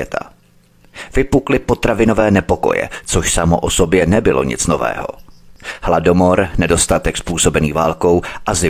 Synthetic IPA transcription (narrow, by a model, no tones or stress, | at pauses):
ɛt̪ʰa̰ | vɪpuklɪpot̪ɾavɪnovɛːnɛpo̞ko̞̰jɛ̰t͡soʃsamoʔoso̞bjɛnɛbɪlo̞̰ɲɪ̰t͡snovɛ̰ːɦo̞̰hlado̞mo̞ɾnɛdo̞st̪at̪ɛkspuːso̞bɛniːvaːlko̞wʔazɪ